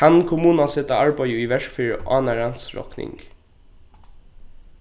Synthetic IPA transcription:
ankʰʊmuːnasɛt̪aaɹpœjəiʋɛɹkfiːɹa̰ːnaɹant̪sɹɔ̰knɪ̰ŋk

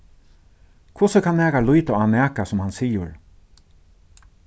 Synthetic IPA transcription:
kʰʊsəkʰanːɛːkalujt̪aanɛːkasʊmhansiːjʊɹ

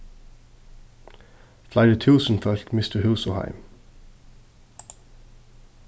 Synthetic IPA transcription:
flɑɪd̪ət̪ʰʉːsn̩fœlkmɪst̪əhʉːsɔhæ̰ɪm

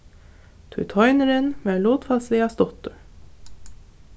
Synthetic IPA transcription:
t̪ʰʉ̰t̪ʰɔʏnəɾənmeːloːt̪fɑlsliːɑst̪ɔt̪ʊ

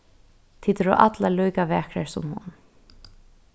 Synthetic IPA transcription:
t̪ʰiːt̪ɾɔ̰ʔat̪lalujkaʋɛːkɾaɹsʊ̰mhʊ̰n

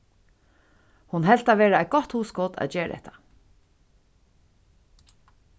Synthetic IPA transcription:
hʊnɦɛl̥t̪aʋeːɾaɛjt̪̚ɡɔht̪huːskɔt̪ʰæ̰ðt͡ʃeːɾ̰ɛ̰ht̪ʰḁ

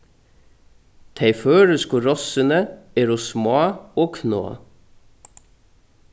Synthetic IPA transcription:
t̪ʰæɪføːɹəskuɾɔsənəeːɾuːsmɑːoːkʰno̰ː

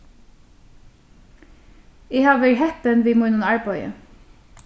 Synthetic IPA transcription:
iːhɑːʋəɹhɛpənʋiːmʊnʊnɑɹbɑʏə̰

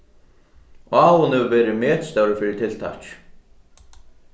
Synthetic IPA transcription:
aːwʊnɛvɛːɾɪmɛːt̪st̪awɾɪfɪɾɪɾt̪ʰɪlt̪ʰa̰hc

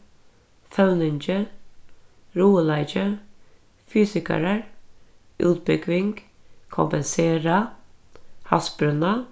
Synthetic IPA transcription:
fœʉnɪnd͡ʒə | ɾuːəlæɪd͡ʒə | fyːsɪkə̰ɾəɹ | ʔʉːt̪̚bʏɡʋɪŋɡ̥ | kʰɔʊ̰mpɛnseːɾɑ | hɑsbɾʉnɑ

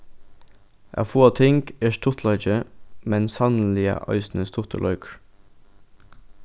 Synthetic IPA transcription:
ʔɑ̰ːfoːɑt̪ʰɪŋɡeːʃt̪ʰʊt̪ʰlɑd͡ʒəmɛnsɑnl̩ɪə̰ʔɑ̰ʏsnəst̪ʰʊt̪ʰə̰lʔœʏkɹ

